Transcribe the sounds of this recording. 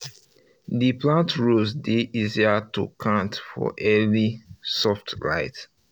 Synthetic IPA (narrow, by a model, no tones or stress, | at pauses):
diplãntɹuzdiʔiziatṵkʰãntfɔ̰ʔɛlisɔftla̰ɪt